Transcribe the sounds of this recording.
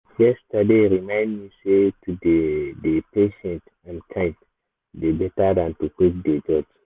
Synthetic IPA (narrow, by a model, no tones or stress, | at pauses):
jɛstadeɹimãj̃ndmisetudedepeʃɛ̃nt | ãnkʰãjnt | debɛtadãntukipd̪ed͡ʒɔd͡ʒ